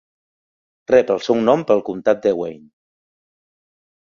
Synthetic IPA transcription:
rɛpəlˠsɛwnɔmpəlˠkumt̪at̪̚d̪əwḛjn

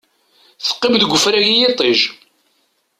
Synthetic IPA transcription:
θə̥qːɪmðəɡʷːʊfɾæʝijɪt̪ˤeʒ

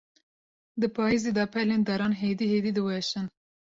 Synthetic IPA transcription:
d̪ɨpʰɑːeːzeːd̪ɑpʰɛlend̪ɛɾɑːnɦeːd̪iheːd̪iːd̪ɨwɛʃɨn

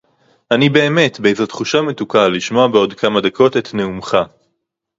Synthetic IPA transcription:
anibe̞ːme̞tbeejzet̪χuʃame̞tukaliʃmo̞abeo̞dkʰamad̪akʰo̞te̞t̪ne̞umχa

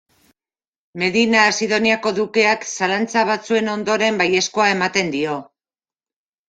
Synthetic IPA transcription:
me̞ðinaːsiðo̞niako̞ðuke̞aksalant͡saβ̞at͡sue̞no̞nd̪o̞ɾe̞mbaje̞sko̞ae̞mat̪e̞nd̪io̞

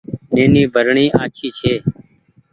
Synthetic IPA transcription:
neːniːbʱəɾɳiːʔaːt͡ʃʰiːt͡ʃʰeː

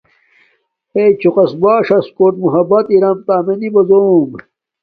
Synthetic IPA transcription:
et͡ɕʰuqɐsbaːʂɐskoːʈ̚muɦɐbɐt̪iɾɐmt̪aːmenibɐzom

